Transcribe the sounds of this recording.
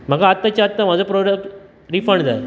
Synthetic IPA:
m̤əɡaːt̪ːat͡ɕaːt̪ːam̤ad͡zapɾoɽəkʈ | ɾifəɳɖd͡zaj

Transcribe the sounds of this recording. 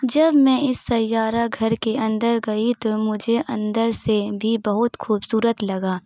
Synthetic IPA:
d͡ʒɐbmɛ̃ɪsːɐjːaːɾaɡʱɐɾkeɐ̃nd̪əɾɡɐit̪omʊd͡ʒʱeʔɐ̃nd̪əɾsebʱibɐɦʊt̪xuːbsuːɾət̪lɐɡaː

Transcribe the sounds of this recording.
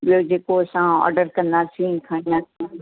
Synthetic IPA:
ɓijod͡ʑeːkoɐsãɔ̰ːɾɖəɾkɐ̃nd̪asĩkʰaɽ̃ĩnasĩ

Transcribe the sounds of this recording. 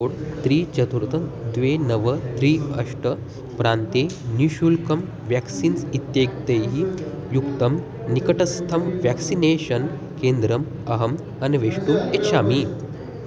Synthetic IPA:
ɽt̪ɾiːt͡ʃɐt̪uɾt̪ɐnd̪ʋenɐʋət̪ɾiːɐʂʈə | pɾaːnt̪eniɕulkɐm | ʋjɛksiːnsit̪jeɡt̪eji | jukt̪ɐm | nikɐʈɐst̪ʰɐmʋjɛksineːɕɐn | kend̪ɾɐm | ɐɦɐm | ɐnʋeʂʈumeʃaːmi

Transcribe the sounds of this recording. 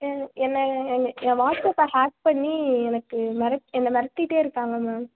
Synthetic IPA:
ɛnːɐɛnãːʋaːsɐsãːhaːk̚pɐɳːiɛnɐkːɯmɐɾɐɛnːɐmɐɾɐt̪ːiʈːeːɪɾɯkːaːŋɡɐmaːm

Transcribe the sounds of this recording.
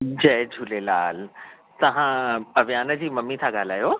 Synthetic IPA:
d͡ʑɐɦd͡ʑʱʊlelaːl | t̪ɐʋ̤ãɐʋjaːnə̆d͡ʑiːmɐmːit̪ʰãɡaːlaːjoː

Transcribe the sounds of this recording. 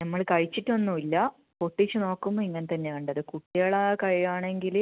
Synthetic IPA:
nɐmːɐɭkɐɻit͡ɕːitːonːumilːɐ | poʈːit͡ɕːɨno̞ːkːumːoiŋːɐnet̪ɐnːeɐɳɖɨɐðɨkuʈːijɐːɭaːɐkɐɻijaːɳe̞ŋɡil

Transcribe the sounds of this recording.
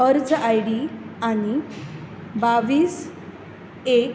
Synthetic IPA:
əɾd͡zajɽiañi | baʋiːs | ek

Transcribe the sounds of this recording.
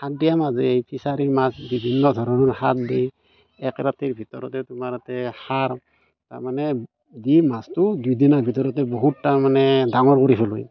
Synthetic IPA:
hat̚dijamazejpʰisaɾimasbibʱinːɔdʱɔɾɔnɔnhatdej | ɛkɾatiɹbʱitɔɾɔtɛtʊmaɾatɛhaɹ | ta̰ɹmanɛ | dimastudujdinabʱit̬ɔɾɔtɛboɦutːamanɛdaŋɔɹkoɾipʰɛlṵj

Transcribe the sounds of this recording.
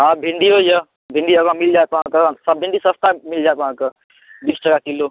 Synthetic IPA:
ɦãbʱiɳɖiojə | bʱĩɳɖiəɡãmild͡ʒaet̪ɔɦãkẽsəbbʱĩɳɖisə̃st̪amild͡ʒaːt̪ʋɦãːkə | biːsd͡ʒəkakilo

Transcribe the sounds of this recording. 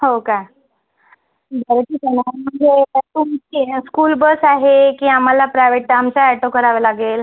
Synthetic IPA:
ɦoka | bʱəɾʈ̪iːsənam̤əɳd͡zetat̪umiskuːlbəsaɦekiːam̤alapɾajʋeʈːamt͡saɛʈokəɾaʋelaɡeːl

